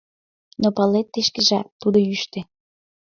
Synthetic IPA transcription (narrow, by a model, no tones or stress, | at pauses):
nopɑlet̪ːeʃkĕʒæt̪ːud̪oyʃt̪ĕ